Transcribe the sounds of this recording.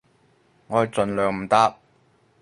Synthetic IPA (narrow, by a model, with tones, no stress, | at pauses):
ŋɔː˨˧˨t͡sɵ˨nlœː˨˧ŋm̩˨˩t̪aː˧˥p̚